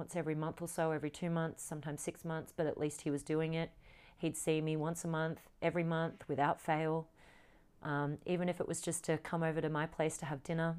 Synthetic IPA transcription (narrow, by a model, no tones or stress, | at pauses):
nsɛvɹimʌ̃nθə˞soʊɛvɹitʰʉmʌ̃nθsʌ̃mtʰãɪ̃m̥sɪksmʌ̃nθsb̥ʌɾɨ̰ʔˡlʔist̚hiwʌzdʉɪ̃ŋɪt̚ | hid̥sĩmiwʌ̃nsəmʌ̃nθ | ʔɛvɹimʌ̃nθwɨðaʊtfeɪlˠ | ʔʌ̃mivɨ̃ñɨfɨʔwʔʌzd͡ʒʌstʰɨkʰʌ̃moʊvə˞ɾɨmaɪpʰl̥eɪstʰɨːvdɪ̃nə˞